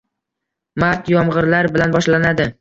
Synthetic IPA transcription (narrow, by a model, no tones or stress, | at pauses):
mat̪jɒmʁɨɾlaɾbɪlanbɒʃlanad̪ɪ